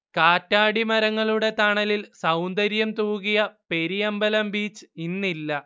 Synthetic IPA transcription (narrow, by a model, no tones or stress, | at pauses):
kaːtːaːɽimɐɾɐŋːɐɭuɽe̞t̪aɳɐlilsɐwnd̪ɐɾjɐmt̪uːɣijɐpe̞ɾijɐmbɐlɐmbiːt͡ɕːɨ̥inːilːɐ